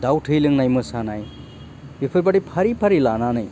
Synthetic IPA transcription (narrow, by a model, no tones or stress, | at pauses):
dawtʰɯjlɯŋnajmɯsanaj | bipʰɯɾbaɽipʰaɾipʰaɾilananɯj